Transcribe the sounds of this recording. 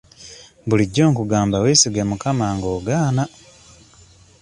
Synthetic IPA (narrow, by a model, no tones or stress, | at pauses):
buliɟːo̞ːŋkuɡaːmbaweːsiɡemukamaːŋɡo̞ːɡaːna